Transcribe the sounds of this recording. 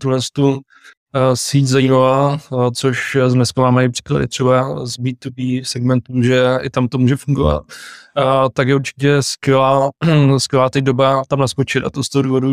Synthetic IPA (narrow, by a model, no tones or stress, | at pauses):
t̪uɦlɛst̪u | siczajiːmavat͡soʃzmɛskamamajipr̥i̥kla̰dɪ̰t̪r̥ɛbazbiːt̪ubisɛɡmɛnt̪uʒɛɪt̪amt̪o̞muːʒɛfuŋɡova̰t̪̚ː | akjɛuɾt͡ʃɪ̥cɛskvɛlaːskvʲɛlaːt̪adobat̪amnaskot͡ʃɪt̪a̰t̪ost̪oɦoduːvodu